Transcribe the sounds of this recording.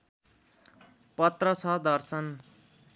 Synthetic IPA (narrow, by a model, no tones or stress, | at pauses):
pʌt̪rʌsʰʌd̪ʌrsʌn